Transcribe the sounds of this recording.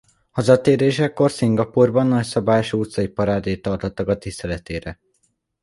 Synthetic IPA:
hɒzɒt̪eːɾeːʃɛkːo̞rsiŋɡɒpuːrbɒnːɒcsɒbaːjoʃuːt̪sɒipɒɾaːd̪eːt̪ɒrt̪ot̪ːɒkɒt̪ːist̪ɛlɛt̪eːɾɛ

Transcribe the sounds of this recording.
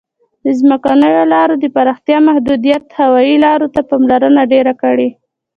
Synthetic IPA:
d̪əzməkanəjolɑɾod̪əpaɾɑxt̪jɑmahd̪ud̪ijat̪hawɑjilɑɾot̪apɑmlaɾənaɖeɾakəɽe

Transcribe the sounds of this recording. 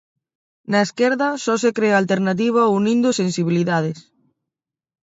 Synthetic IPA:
naeskeɾðɐsɔs̬ekɾealt̪eɾnat̪̬iβ̞aunĩnd̪ʊsensiβ̞iliðað̞ɪs

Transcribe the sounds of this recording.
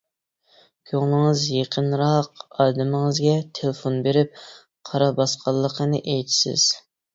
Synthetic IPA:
kʲʰøŋlˠɨŋɨzjeqʰənɾɑqɑːd̪ɪmɪŋəzɡʲɛt̪ʰelɪfonbeɾɪp̚ | qʰɑɾɑbɑsqʰɑlˠːəqənɨʔejt͡ʃ̪ʰi̥sɪ̰z̥

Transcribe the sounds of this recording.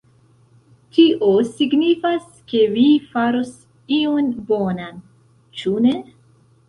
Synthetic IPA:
tiʔosiɡnifas | ke̞vifaɾo̞s | ionbonan | t͡ʃune

